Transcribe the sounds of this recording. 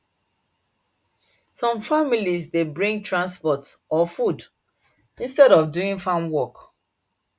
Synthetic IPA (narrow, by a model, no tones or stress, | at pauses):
sɔ̃mfamilisdebɹĩŋ̚tʰɹãnspɔtɔfud | ĩnstɛɾɔfduĩŋfãnwɔk